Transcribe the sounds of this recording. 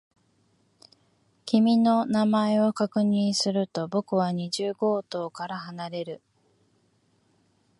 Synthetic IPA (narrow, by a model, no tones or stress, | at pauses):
kʲimʲino̞namae̞o̞kakɯ̟ɲ̟ĩɰ̃sɨɾɯ̟t̪o̞bo̞kɯ̟βaɲ̟iʑɨːɡo̞ːt̪o̞ːkaɾahanaɾe̞ɾɯ̟